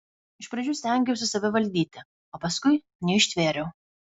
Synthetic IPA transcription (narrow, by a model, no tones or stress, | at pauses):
ɪʃpɾɐd͡ʒʲʊːsʲt̪ʲɛŋʲɡʲɛʊsʲɪsɐʋʲɪʋɐlʲd̪ʲiːt̪ʲɪ | oːpɐskʊɪ | nʲɛɪʃʲt̪ʲʋʲeːɾʲɛʊ